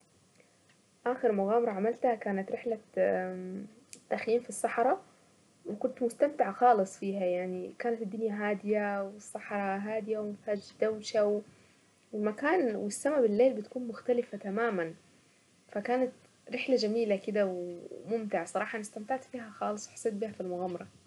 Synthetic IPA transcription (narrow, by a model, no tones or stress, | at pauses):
ʔaːxɪɾmʊɣaːmɑɾˤɑʕamalt̪hakaːnat̪ɾɪħla | t̪ːaxjiːmfisˤːɑħɾˤɑ | wɪkʊnt̪mʊst̪amt̪ɪʕxɑːlɨsˤfiːhajaʕnikaːnat̪ɪd̪ːʊnjaɦaːd̪ɪjawɪsˤːɑħɾˤɑɦaːd̪ɪjawmɪfhaːd͡ʒd̪awʃaw | ɪlmakaːnwɪsːamabɪlːeːlbɪt̪kuːnmʊxt̪alɪfat̪amaːman | fakaːnat̪ | ɾɪħlad͡ʒamiːlakɪd̪awmʊmt̪ɪʕsˤɑɾˤɑːħɑʔnɪst̪amt̪aʕt̪fiːɦaxɑːlɨsˤwħsˤːeːt̪̚bihafilmʊɣaːmɑɾˤɑ